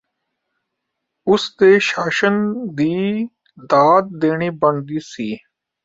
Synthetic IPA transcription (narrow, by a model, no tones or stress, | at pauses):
ʊsd̪eːʃaːʃənd̪iː | d̪aːd̪̚d̪eːɳiːbəɳd̪iːsiː